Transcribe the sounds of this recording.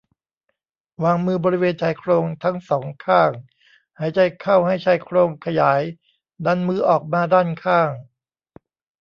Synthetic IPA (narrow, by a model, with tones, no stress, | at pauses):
waː˧ŋmɯː˧bɔː˧ɾi˦˥weː˧nt͡ɕʰaː˧˩jkʰɾoː˧ŋt̪ʰa˦˥ŋsɔː˩˦ŋkʰaː˥˩ŋ | haː˩˦jt͡ɕa˧jkʰa˥˩wha˥˩jt͡ɕʰa˧˩jkʰɾoː˧ŋkʰa˧jaː˩˦j | da˧˥nmɯː˧˩ʔɔː˨˩k̚maː˧daː˥˩nkʰaː˥˩ŋ